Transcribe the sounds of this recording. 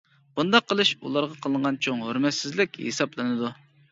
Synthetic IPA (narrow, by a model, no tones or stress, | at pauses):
b̥und̪ɑqːəlˠɨʃṵlˠɑɾʁɑqʰəlˠəɴʁɑnt͡ʃʰoŋɦøɾmɛt̪sɪzlɪkʲhḛsɑplˠɨnɨd̪u